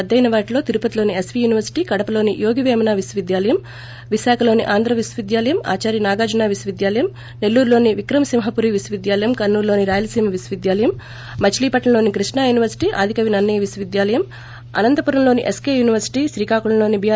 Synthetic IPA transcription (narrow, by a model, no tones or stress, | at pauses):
ɐd̪ːɐjnɐʋaːʈilo̞ːt̪iɾupɐt̪ilo̞ːniesʋiːjuːniʋɐɾsi̥ʈiːkɐɽɐpɐlo̞ːnijo̞ːɡiʋeːmɐnaːʋiswɐʋid̪jaːlɐjɐm | ʋiʃaːkʰɐlo̞ːnḭʔaːnd̪ʱɾɐʋiswɐʋid̪jaːlɐjɐma̰ːt͡ʃaːɾjinaːɡaːd͡ʒunaːʋisɐʋid̪jaːlɐjɐm | nelːuːɾulo̞ːniʋikɾɐmɐsimɦɐpuɾiʋiswɐʋid̪jaːlɐjɐmkɐnːuːɾlo̞ːniɾaːjɐlɐsiːmɐʋisʋid̪jaːlɐjɐmː | ɐt͡ʃliːpɐʈlɐlo̞ːnikɾiʂɳaːjuːniʋɐɾsi̥ʈiːʔa̰ːd̪ʱikɐʋinɐnːɐjɐʋisɐʋid̪jaːlɐjɐm | ɐ̰nɐnt̪ɐpuɾɐmlo̞ːniʔeskeːjuːniʋɐɾsi̥ʈiːʃɾiːkaːkuɽɐnlo̞ːnibijaː